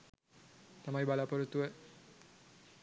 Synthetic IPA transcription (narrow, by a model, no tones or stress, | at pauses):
t̪amaibalapəɾut̪ːue